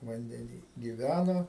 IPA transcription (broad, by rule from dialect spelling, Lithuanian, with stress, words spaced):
ʋɐnʲdʲɛˈnʲiː ɡʲɪˈʋʲænoː